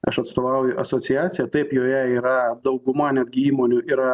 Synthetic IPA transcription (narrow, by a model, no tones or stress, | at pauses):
ɐʃɐt̪st̪oːʋɐʊjʊʔɐsoːsʲɪjæːt̪sʲɪjɛt̪ɐɪpjoːjɛiːɾɐd̪ɐʊɡʊmɐnʲɛd̪̚ʲɡʲɪiːmoːnʲʊiɾɐ